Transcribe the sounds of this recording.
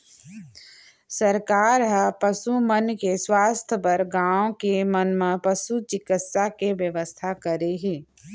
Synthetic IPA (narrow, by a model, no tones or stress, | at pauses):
səɾkaːɾɦəpəsumənkeswaːst̪ʰəpəɾɡaːõkemənm̃pəsut͡ʃɪkɪt̪sakeʋjəʋəst̪ʰakəɾeɦeː